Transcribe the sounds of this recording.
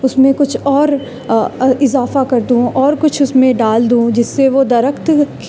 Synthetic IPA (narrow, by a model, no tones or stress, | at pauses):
ʊsmẽkʊt͡ʃʰɔːɾ | ɪzaːfakɐɾd̪ũʔɔːɾkʊt͡ʃʰʊsmẽɖaːld̪ũd͡ʒɪsːeʋod̪ɐɾəkt̪k